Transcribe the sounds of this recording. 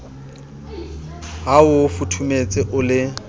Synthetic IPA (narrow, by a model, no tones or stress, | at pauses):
ɦaʊfutʰumet͡sʼɪʔʊlɪ